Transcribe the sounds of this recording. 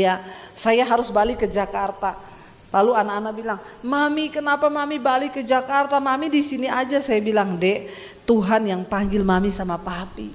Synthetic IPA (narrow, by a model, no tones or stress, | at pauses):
jasajaɦaɾʊsbalikəd͡ʒakart̪a | laluanaːnabilaŋmamikənapamamibalikəd͡ʒakart̪amamidisiniad͡ʒasajabilaŋdɛ | t̪uɦanjaŋpaŋɡɪlmamisamapapi